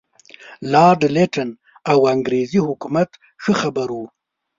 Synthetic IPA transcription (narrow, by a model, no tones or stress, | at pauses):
lɑɖleʈan | awaŋɡɾezihʊkumat̪ | xəxabaɾu